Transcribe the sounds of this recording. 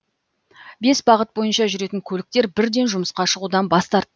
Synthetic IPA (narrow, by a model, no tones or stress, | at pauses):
be̞sbɑʁət̪̚bo̞jənʃɑʒʏɾe̞t̪ɪŋkʲʰɵlɪk̚t̪e̞ɾbɪɾd̪e̞nʒʊməsqɑʃəʁud̪ɑnbɑst̪ɑɾt̪ː